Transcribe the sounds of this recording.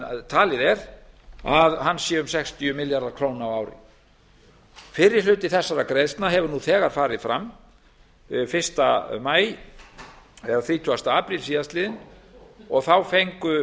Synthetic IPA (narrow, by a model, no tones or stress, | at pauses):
t̪ʰaːlɪðɛɾ̥ | aðhanːsjɛːʏmsɛkst̪ʰiʏmɪljaɾðakʰɾoːwnawawɾɪ̰ | fɪɾɪɾ̥lʏːt̪ɪθɛsːaɾakɾejðst̪naɦɛvʏɾnuθɛːɣaɾ̥faːɾɪðfɾa̰mː | fɪr̥st̪amaːj | ɛðaθɾiːt̪ʰuast̪aːpɾilsiːðast̪lɪːðɪn | ɔɣθawfejŋkʏ